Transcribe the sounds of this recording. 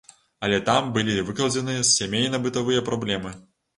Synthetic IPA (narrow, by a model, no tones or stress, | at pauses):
ɐlʲɛt̪ambɨlʲivɨklˠɐd͡zʲɛnɨjɐsʲːamʲejnɐbɨt̪avɨjɐpɾablʲɛmɨ